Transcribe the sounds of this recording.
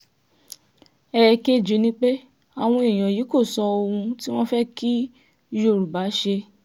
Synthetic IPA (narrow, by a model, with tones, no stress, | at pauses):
ɛ˦˨˧ke˦d͡ʒu˨˦nĩ˦k͡pe˦ | a˨w̃ɔ̃˧i˨j̃ɔ̃˨ji˨˦ko˦˨sɔ˧o˧ũ˧ti˦w̃ɔ̃˦fɛ˦ki˦˧ | jo˧˨ɾu˨ba˨˦ʃe˧